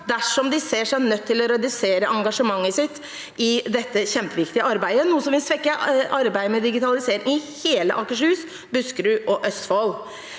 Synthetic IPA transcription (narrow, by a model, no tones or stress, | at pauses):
d̪æʂɔmd̪ɪseːʂæɪnœt̪ʰːɪlɔɾɛd̪ɪseːɾəʔɑŋɡɑʂəmɑŋːəsɪt̪ː | ɪd̪ɛt̪ːəçɛmpəʋɪkt̪ɪəɑɾbæɪd̪ənuːəsɔmʋɪlsʋɛkːəʔɑɾbæɪmɛd̪ɪɡɪt̪ʰɑlɪseːɾɪŋɪheːlə̰ʔɑkəʂʉːs | bʉskɾʉʔɔʔœst̪foːl